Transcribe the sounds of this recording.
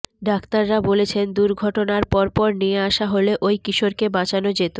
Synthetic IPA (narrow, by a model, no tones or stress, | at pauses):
ɖakt̪aɾːabolet͡ɕʰend̪uɾɡʱɔʈonaɾpɔɾpɔɾnieaʃaɦoleʔojkiʃoɾkebãt͡ɕanod͡ʑet̪o